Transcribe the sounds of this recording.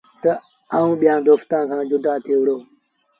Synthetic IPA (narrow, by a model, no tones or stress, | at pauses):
t̪ə | aːũːɓijãːd̪oːft̪ãːkʰãːd͡ʒʊd̪aːt̪ʰiːʋɪɽoː